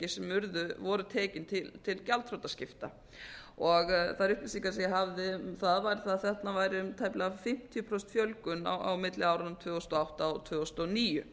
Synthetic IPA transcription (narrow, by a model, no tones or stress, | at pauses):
cɪsɛmːʏɾðʏvɔɾʏt̪ʰɛːcɪnt̪ʰɪlt̪ʰɪlcalt̪ʰɾowt̪ascɪft̪a̰ | ɔɣθaðɾʏht̪ɪsikaɾsɛjɛɦavðɪmθaðvajɾɪθaðθɛht̪navajɾɪʏmt̪ʰajplɪafɪm̥t̪ʰijʏpʰɾɔst̪fjœlkʏna̰wa̰wmɪt̪lɪawɾʏnʏmt̪ʰvʏːɣɔst̪ɔawht̪aɔt̪ʰvœːɣst̪ɔniːjʏ